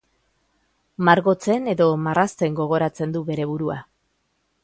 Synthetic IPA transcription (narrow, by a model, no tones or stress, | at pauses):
maɾɣo̞t͡se̞ne̞ðo̞marast̪e̞ŋɡo̞ɣ̞o̞ɾat͡se̞nd̪uβe̞ɾe̞βuɾua